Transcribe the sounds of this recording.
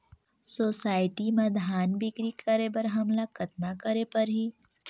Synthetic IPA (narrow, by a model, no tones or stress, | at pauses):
soːsaːɪʈimãd̪ʱaːnbɪkɾikəɾebɐɾɦɐmlakɐt̪̚nakəɾepɐɾɦiː